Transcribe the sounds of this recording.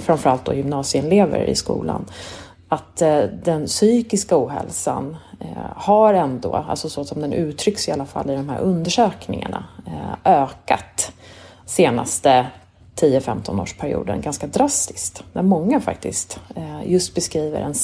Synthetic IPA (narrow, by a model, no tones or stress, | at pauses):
fɾanfœɾalt̪̚d̪ɔ̰jʏmnɑːsɪɪnleːvə̰ɾɪ̰skṵːlʔa̰n | at̪d̪ɛnsyːkɪskauːɦɛ̰lsan | haɾɛnd̪oːa̰lsɔsɔsɔmd̪ɛnʔʉ̟ːt̪ʰɾʏksɪalːafalːɪd̪ɔmɦæ̰ɾʔɵnd̪əʂøːknɪŋa̰ɳaʔøːkat̪ | seːna̰st̪ə | t̪ʰiːəfɛmt̪ʰɔno̰ːʂpʰæɾɪṵːd̪ənɡanskad̪ɾast̪ɪ̥skt̪næɾmɔŋːafa̰kt̪ɪskt̪jɵst̪̚bɛskɾiːvə̰ɾʔɛ̰n